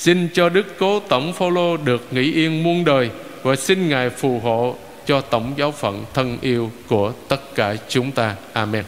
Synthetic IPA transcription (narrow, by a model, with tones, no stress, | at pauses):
si˧nt͡ɕɔ˧ɗɨ˦˥kːo˨˦t̪ə˧˩wŋ͡mfaː˧wlo˧ɗɨ˨˩ək̚ŋḭ˧˥ʔi˧ənmu˧ənɗəː˨˩j | vaː˨˩si˧nŋaː˨˩jfu˨˩ɦo̰˧˨ | t͡ɕɔ˧t̪ə˧˩wŋ͡mzaː˨˦wfə̰˧˨nt̪ʰə˧nʔi˧əwku˧˩ət̪ə˦˥t̚kaː˧˩t͡ɕʊ˨˦ŋ͡mt̪aː˧ʔaː˧mɛ˧n